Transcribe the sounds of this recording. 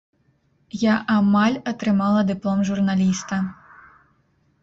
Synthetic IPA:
jaʔamalʲɐt̪ɾɨmalˠɐd̪ɨplˠɔmʐurnalʲist̪ɐ

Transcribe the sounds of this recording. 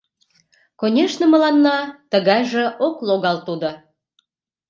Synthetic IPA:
konʲeʃnəmə̆lɑnːɑt̪əɣɑjʒeʔokloɣɑlt̪ud̪o

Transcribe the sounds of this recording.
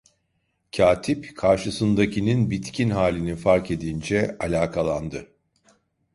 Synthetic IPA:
cʰaːt̪ʰipkʰaɾʃɯsɯnd̪acʰininbit̪cʰinɦaːlʲinifaɾke̞d̪ind͡ʒɛalʲaːkʰalˠand̪ɯ

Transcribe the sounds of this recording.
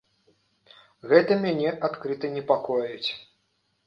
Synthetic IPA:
ɣɛt̪ɐmʲanʲɛʔat̪kɾɨt̪ɐnʲɛpakɔjut͡sʲ

